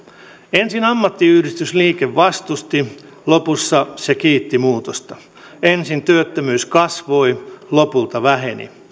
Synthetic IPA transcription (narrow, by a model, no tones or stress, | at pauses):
ensinɑmːɑt̪ːiyhdist̪ysliːkeʋʋɑst̪ust̪i | lopusːɑsekiːt̪ːimuːt̪ost̪ɑ | ensint̪yøt̪ːømyːskɑsʋoilopult̪ɑʋæhenḭ